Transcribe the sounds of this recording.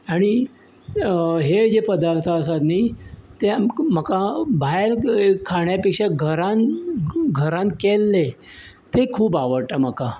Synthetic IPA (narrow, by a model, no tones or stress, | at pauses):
aɽ̃i | ɦed͡ʑepəd̪aɾt̪ʰəəsat̪niːt̪em̤əkabʱajɾkʰaɳ̃japekʂeɡʱəɾan | ɡʱəɾãnkelːe | t̪ekʰuːpaʋəɽʈəm̤əka